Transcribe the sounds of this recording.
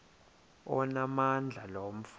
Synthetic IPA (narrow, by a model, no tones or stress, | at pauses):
ɔnamand͡ɮʱalom̩f